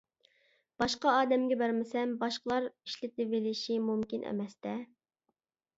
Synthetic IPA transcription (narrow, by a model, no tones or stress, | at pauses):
b̥ɑʃqɑɑːd̪ɛmɡʲɛbæɾmɪsɛmbɑʃqəlˠɑɾiʃlɪt̪̚ɪvelɪʃimumkʲinʔɛ̰mɛst̪ɛ